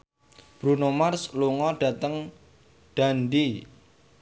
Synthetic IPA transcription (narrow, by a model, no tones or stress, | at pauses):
b̥ɾunomarsluŋɔɖ̥ä̤t̪əŋ | ɖ̥a̤nɖi